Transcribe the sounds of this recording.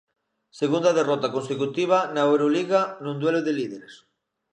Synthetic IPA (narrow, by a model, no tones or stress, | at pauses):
seɣund̪aðerɔt̪akonsekut̪iβ̞anaewɾoliɣanũnd̪weloðelið̞eɾes